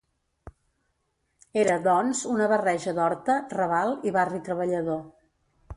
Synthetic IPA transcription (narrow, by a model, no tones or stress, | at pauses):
eɾəðɔnzunəβərɛʒəðɔɾt̪ərəβalˠiβarit̪ɾəβəʎəðo